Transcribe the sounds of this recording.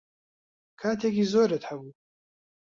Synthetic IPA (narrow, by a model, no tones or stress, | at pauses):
kʰaːt̪ʰekizoːɾət̪hɐbu